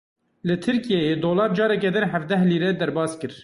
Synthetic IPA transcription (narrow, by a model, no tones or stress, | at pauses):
lɨt̪ʰɨɾkijɛjeːd̪oːlɑːɾ̚d͡ʒɑːɾɛk̬ɛd̪ɨnhævd̪ɛɦliːɾɛd̪ɛɾbɑːskɨɾ